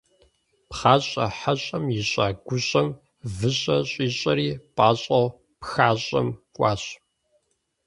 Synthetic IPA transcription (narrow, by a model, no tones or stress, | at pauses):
pχaːɕʼɐ̰ħaɕʼɐmjɪɕʼaːɡʷʊɕʼɐm | vɨɕʼɐɕʼiːɕʼɐɾiːpʼaːɕʼɐw | pxaːɕʼɐ̰mkʷʼɑːɕʼ